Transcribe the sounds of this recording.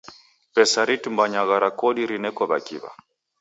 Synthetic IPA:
pɛsaɾitumbaɲaɣaɾakɔɗiɾinɛkɔβa̰kiβa̰

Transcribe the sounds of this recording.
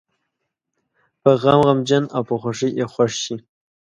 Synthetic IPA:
pəɣamɣamd͡ʒanawpəxʷaʂəjʔexʷwaʂʃi

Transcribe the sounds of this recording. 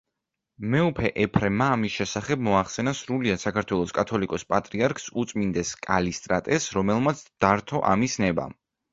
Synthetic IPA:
mɛupʰɛʔɛpʰɾɛmaːmisʃɛsaχɛb̚mɔaχsɛnasɾuliasakʰaɾt̪ʰwɛlˠɔskʼat̪ʰɔlikʼɔspʼat̪ʼɾiaɾkʰsut̪sʼmind̪ɛskʼalist̪ʼɾat̪ʼɛsɾɔmɛlˠmat̪sʰd̪̥aɾt̪ʰɔʔa̰misnɛba̰m

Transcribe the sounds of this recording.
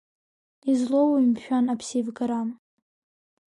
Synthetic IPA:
izlowimʃᶣanapʰsivɡaɾam

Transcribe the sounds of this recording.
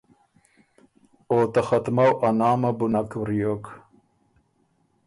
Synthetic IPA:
oːt̪axat̪mawʔanɑːmɐbunakwɾijok

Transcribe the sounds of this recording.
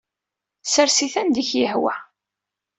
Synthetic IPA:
səɾsiθænd̪içjəhwæ̰

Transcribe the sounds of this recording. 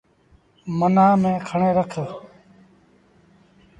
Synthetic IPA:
mənãːmẽːkʰəɳẽːɾəkʰə

